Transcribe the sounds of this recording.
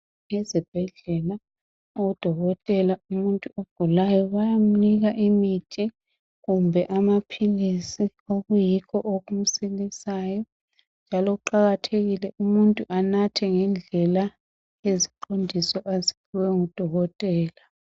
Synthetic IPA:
ŋɛzib̥ʱɛɮɛla | oud̥ʱɔɣɔtʼɛlaumuntʼuoɡ̥ʱulajɔβajam̩niɣaʔimitʰi | ɣumbʱɛʔamapʰilisi | oɣujikʰɔʔoɣum̩silisaːjɔ | nd͡ʒʱalɔuǃaɣatʰeɣilɛʔumuntʼuʔanatʰɛŋɛnd͡ɮʱɛla | jeziǃʰondʱisɔʔazi̥pʰuwɛŋud̥ʱɔɣɔtʼɛːla

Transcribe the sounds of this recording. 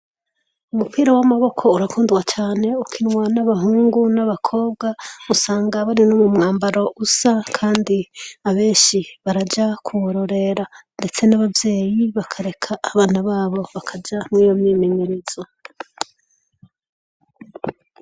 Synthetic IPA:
umupiːɾawamaβo̞kʰo̞uɾakʰuːndɡwat͡ʃaːne̞ukʰinwanaβaɦuːŋɡunaβakʰo̞ːb̚ɡausaːŋɡaβaɾinoːmumŋaːmbaɾo̞ʔusakʰaːndiaβe̞ːnʃiβaɾad͡ʒakʰuβoɾo̞ɾe̞ɾande̞t͡se̞naβavje̞ːjiβakʰaɾe̞kʰaːβaːn̥aβaːβo̞βakʰad͡ʒamŋiːjo̞mɲiːmeɲiɾiz̥o

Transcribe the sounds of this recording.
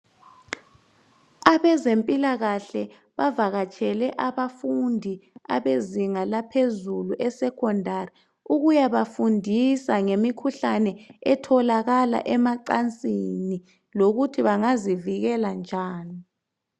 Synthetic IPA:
aβɛzempʼilaɣaɬɛ | βavaɣat͡ʃʼʰɛlɛʔaβafundʱia̰βeziŋalapʰezuluʔɛsɛkʰɔndʱari | uɣujaβafundʱisaŋemikʰuɬanɛɛtʰɔlaɣala̰ʔɛmaǃant͡sʼini | loɣutʰiβaŋaziviɣɛland͡ʒʱaːni

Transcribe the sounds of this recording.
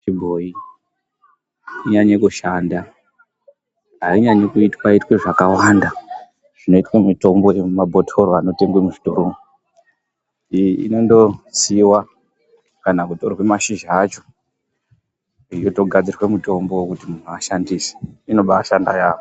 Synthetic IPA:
t͡ʃibʱo̞i | iɲaɲekuʃanda | ɦaiɲaɲekuitwaitweʐakawanda | ʐ̥ino̞itwemito̞mbo̞emabʱotʰo̞ɾoano̞te̞ŋɡwemuʐitoɾo | ḭno̞ndo̞siwa | kanakutorwe̞maʃiʒaːt͡ʃo̞̥ | ijo̞to̞ɡʱad͡zirwemuto̞mbo̞wkutimun̤uaʃandise̥ino̞ɓaːʃanda̰jaːʋo

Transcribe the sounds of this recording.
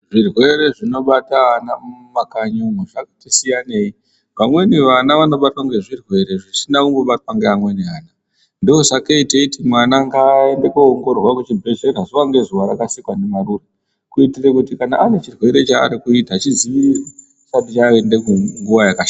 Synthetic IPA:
ʐirwe̞ɾe̞ʐino̞ɓatanamakaɲomeʐakatisijaneːi | ʋamwe̞niʋanaʋano̞ɓatwaŋɡe̞ʐirwe̞ɾe̞ʐit͡ʃinakumboɓatwaŋɡeamwe̞niaːna | ndiozakeiteitimwanaŋɡae̞ndekuoŋɡo̞rrwakut͡ʃibʱe̞ʃeɾazoʋaŋɡe̞zuʋaɾakasikwanemaɾuːra | kuitirekutikanaʔanet͡ʃirwe̞ɾe̞t͡ʃa̰ːɾikuitat͡ʃiziʋiri | satit͡ʃaːende̞kuŋɡuʋajakaʃa

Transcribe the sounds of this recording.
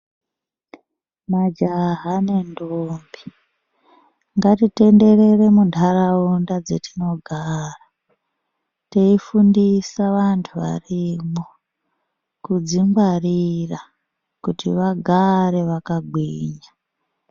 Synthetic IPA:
mad͡ʒaɦane̞ndombi̥ | ŋɡatite̞nde̞re̞re̞mundʰʱaɾaundad͡zetino̞ɡʱara | teifundisaʋantʰuʋa̰rimo | kud͡ziŋɡwarira | kutiʋaɡʱaɾe̞ʋakaɡʱwiːɲa

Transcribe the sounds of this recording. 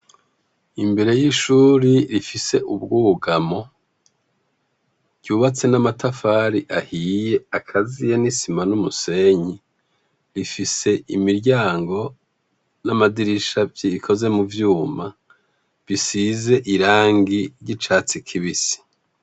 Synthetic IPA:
imbe̞ɾe̞jiʃuːɾiɾifise̞ʔubɡuːɡamo̞ | ɟ̥uːβat͡se̞namatʰafaːɾiʔahiːje̞akʰazijenisimanumuse̞ɲi | ɾifise̞ʔimiɾɟaːŋɡo̞ | namadiɾiʃavjiikʰo̞ze̞muvjuːma | βisize̞ʔiɾaːŋɡiɾɟit͡ʃaːt͡sikʰiβisi̥

